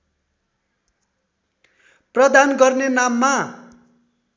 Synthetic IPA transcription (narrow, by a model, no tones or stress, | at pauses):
prʌd̪anɡʌrnenamːa